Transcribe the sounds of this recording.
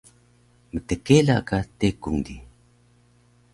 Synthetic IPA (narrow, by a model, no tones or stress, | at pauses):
mətəkela̰katekuŋdi